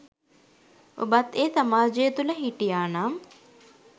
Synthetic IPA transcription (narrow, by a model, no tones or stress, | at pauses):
o̰bat̪eːsamaːd͡ʒejət̪uləɦiʈijaːnaːm